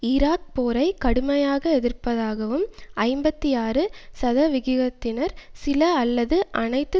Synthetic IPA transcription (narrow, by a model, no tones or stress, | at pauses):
ɪɾaːk̚poːɾɐɪkɐɽɯmɐjaːɣɐɛðɪɾpɐðaːɣɐʋɯmɐɪmbɐt̪ːiaːɾɯsɐðɐʋɪɣɪɣɐt̪ːɪnɐɾsɪlɐɐlːɐðɯʔɐnɐɪt̪ːɯ